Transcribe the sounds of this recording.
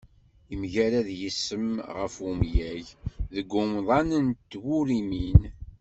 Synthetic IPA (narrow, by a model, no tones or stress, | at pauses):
imʝæɾæðjisːəmʁəfumjæʝðəɡːʊmðˤɑnənt̪ːwʊɾimin